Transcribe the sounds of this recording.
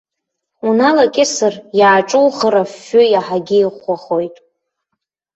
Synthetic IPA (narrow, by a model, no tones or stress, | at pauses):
unalakʲʼɪsɨrjaːʈ͡ʂʼʊlχəɾafʊjaħaɡʲɪiχʷaχo̞jtʼ